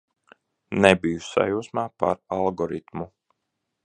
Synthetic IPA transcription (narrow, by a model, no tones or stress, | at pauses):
nɛbijusa̰juːsmaːpa̰ɾalˠɡɔɾit̪mu